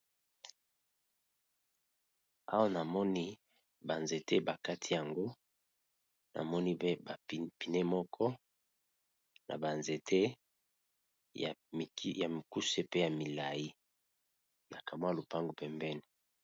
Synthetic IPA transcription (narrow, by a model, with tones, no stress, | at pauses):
a̰˦wa˦na˨mɔ˦ni˦ | ba˨nze˨tʰe˦ba˨ka˦tʰi˦ja˨ŋɡo˦ | na̰˨mɔ˦ni˦e˦ba˨pi˨ne˦mɔ˦kʰɔ˦ | nʔa̰˨ba˨nze˨tʰe˦ | ja˨˦ja˨mi˨ku˦se˦pe˦ja˨mi˨la˨ji˦ | na˨ka˨mwa˦lo˨pa˦ŋɡo˨pɛ˨mbɛ˦ni˨